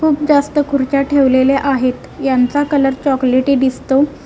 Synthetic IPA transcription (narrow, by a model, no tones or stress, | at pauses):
kʰuːp̚d͡zast̪əkʰuɾt͡ɕaʈʰeʋleleʔaɦet̪jant͡sakələɾt͡ɕɔkleʈid̪ist̪o